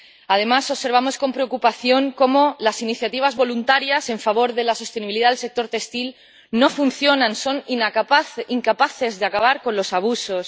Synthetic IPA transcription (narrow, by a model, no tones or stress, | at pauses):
að̞e̞maso̞βse̞ɾβ̞amo̞sko̞mpɾe̞okupaθjo̞ŋko̞mo̞lasiniθjat̪iβ̞azβo̞lunt̪aɾjase̞ɱfaβo̞ɾðe̞laso̞st̪e̞niβiliðaðelse̞k̚t̪o̞ɾt̪e̞st̪il | no̞funθjo̞nãnso̞ninakaiŋkapaθe̞zðeakaβaɾko̞nlo̞saβ̞uso̞s